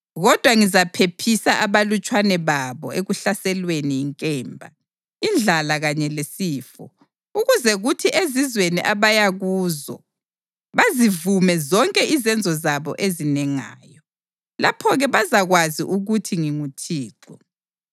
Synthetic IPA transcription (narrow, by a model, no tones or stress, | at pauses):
ɣɔd̥ʱwaŋizapʰepʰisaʔaβalut͡ʃʼwanɛβaβɔ̰eɣuɬasɛlweniːŋkʼɛːmbʱa̰ | ind͡ɮʱalaɣaɲɛlesiːfɔ̰ | uɣuzɛɣutʰiʔezizweniʔaβajaɣuːzɔ̰ | βazivumɛzɔŋkʼɛʔizɛnd͡zʱɔzaβɔ̰ʔezinɛŋa̰ːjɔ | lapʰɔɣɛβazaɣwazḭʔuɣutʰiŋiŋutʰiːǃɔ